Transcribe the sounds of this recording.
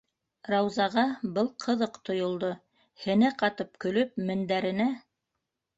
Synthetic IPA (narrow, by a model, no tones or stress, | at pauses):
rɑwzɑʁɑbɤlˠqʰɤ̆ðɤqt̪ŏjŏlˠd̪o | hɘ̆næqɑt̪ɤp̚kɵ̆lɵp̚mɘ̆nd̪æɾɘ̆næ